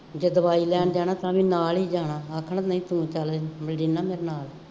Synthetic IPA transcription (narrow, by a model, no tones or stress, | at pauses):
d͡ʒeːd̪əbaːiːlɛːɳɖd͡ʒaːnaːt̪ãːʋĩːnaːlɦiːd͡ʒaːnaːəkʰːnaːnəĩːt̪ũːt͡ʃəlməlɖiːnaːmeːɾenaːl